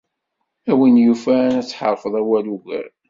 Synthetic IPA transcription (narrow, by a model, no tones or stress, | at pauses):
æwinjufænæt͡sːħəɾˤfəðˤæwæluʝə̰ɾ